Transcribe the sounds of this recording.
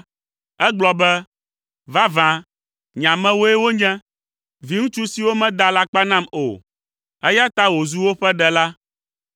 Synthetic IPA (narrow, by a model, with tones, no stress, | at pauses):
ɛ˦ɡ͡blɔ˨bɛ˦ | va˦vã˨ | ɲã˨mɛ̃˦wo˦ɛ˦wo˦ɲɛ̃˦ | vi˨˦ŋũ˦t͡ʃu˦si˨wo˦mɛ̃˦d̪a˦la˦k͡pa˦nã˦mo̰˨ | ɛ˦ja˦t̪a˦wo˨zu˦wo˦ɸɛ˦ɖɛ˨la˦